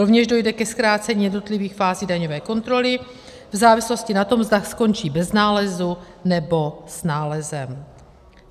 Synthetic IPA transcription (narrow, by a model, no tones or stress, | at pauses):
ɾo̞vɲɛʒdo̞jdɛkɛskɾaːt͡sɛɲiːjɛdno̞t̪lɪviːxfaːziːdaɲovɛːko̞nt̪ɾo̞lɪ | vzaːvɪslo̞scɪnat̪o̞mvzdaxsko̞nt͡ʃiːbɛznaːlɛzu | nɛbo̞snaːlɛzɛm